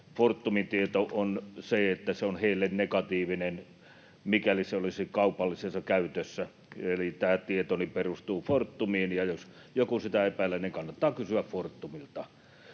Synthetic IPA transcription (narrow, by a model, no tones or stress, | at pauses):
fort̪ːumint̪iet̪oʔonseet̪ːæseonheˑilːennekɑt̪iːʋinen | mikæliseolisikɑupɑlːisesːɑkæyt̪øsːæ | elit̪æːt̪iet̪oniperust̪uːfort̪ːumiːnjɑjos | jokusit̪æepælːæniŋkɑnːɑt̪ːɑːkysyæffort̪ːumilt̪ɑ